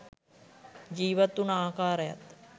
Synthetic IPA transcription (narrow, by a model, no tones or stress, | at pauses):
d͡ʒiːʋɐt̪ːunaːkaːɾɐjɐ̰t̪